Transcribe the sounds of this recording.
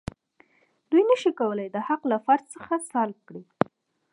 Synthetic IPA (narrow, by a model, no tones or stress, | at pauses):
d̪ujnəʃikawəlajd̪əhaqlafaɾzsəxasɑlkɽi